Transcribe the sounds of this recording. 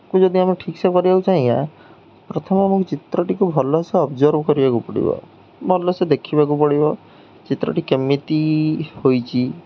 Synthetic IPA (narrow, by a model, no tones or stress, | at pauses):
kũd͡ʒɔd̪iameʈʰiksekɔɾibaut͡ʃaɦĩa̰ | pɾɔt̪ʰɔmemukt͡ʃit̪ɾɔʈikubʱɔlɔseɔbd͡ʒɔɾbʱɔkɔɾibakupɔɽḭbɔ̰ | bʱɔlɔsed̪ekʰibakupɔɽibɔ | t͡ʃit̪ɾɔ̰ʈikemːit̪ihojt͡ʃʰi